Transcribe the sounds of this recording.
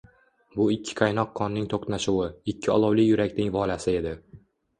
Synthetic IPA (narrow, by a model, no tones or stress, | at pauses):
bʊɪkʲʰːɪ̥qʰɑjnɒqʰːɒnːɪŋt̪ʰoqnaʃuwɪɪkʲʰːɪɒ̰lˠɒwlɪjʊɾakʲnɪŋvɒlasɪe̞d̪ɪ